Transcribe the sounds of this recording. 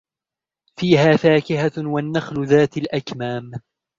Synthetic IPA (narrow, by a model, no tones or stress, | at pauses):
fiːɦaːfaːkɪhawanːaxlʊðaːt̪alʔakmaːm